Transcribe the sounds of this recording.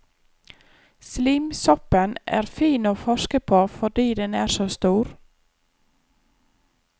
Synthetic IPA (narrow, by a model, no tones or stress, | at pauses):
sliːmsɔpənæ̰ːɾfiːnoːfɔʃkəpʰoːfɔɖiːd̪ɛnæːɾsoːst̪uːɾ